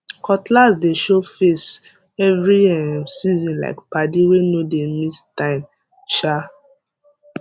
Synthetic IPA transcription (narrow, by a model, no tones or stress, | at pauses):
kɔtlazdeʃofes | ɛvɹiɛsizĩnla̰ɪkpadiwenodemistãɪ̃m | t͡ʃa